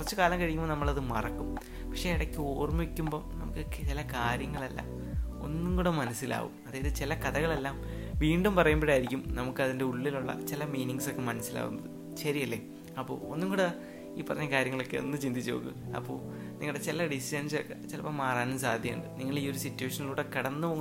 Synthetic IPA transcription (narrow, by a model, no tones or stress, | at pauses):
kurɐt͡ɕːukaːlɐmkɐɻikːumbonɐmːɐɭɐðɨmɐ̰rɐkːum | pɐkʂeiɽɐkʲːɨoːrmikʲːumbo̞ːnɐ̰mukːɨt͡ɕilɐkaːɾjɐŋːɐɭɐlːa̰ | o̞̰nːuŋɡuɽemɐnɐsːila̰ːʋṵmɐðaːjɐðɨt͡ɕilɐkɐðɐɣɐɭe̞lːaːmʋiːɳɖumpɐrɐjumbeɽaːjiɾikʲːumnɐmukːɨɐðinde̞uɭːiluɭːɐ̰t͡ɕilɐmiːniŋɡɨso̞kːe̞mɐnɐsila̰ːʋṵnːɐðɨ | ɕɐɾiɐlːe | ɐpːo̞̰ːonːuŋɡoːɽɨ | iːpːɐrɐɲːɐkaːɾjɐŋːɐɭo̞kːeo̰nːɨt͡ɕind̪it͡ɕːo̰ːɣṵɐ̰pːo̰ː | niŋɐɭɨɽet͡ɕilɐɖisidɐnsokːet͡ɕilɐpːoːmaːraːnumsaːɐd̪ʱjɐjṵɳɖɨniŋːɐɭiːo̞ɾusitːuweːʂɐniluːɽekɐɽɐnːɨpoː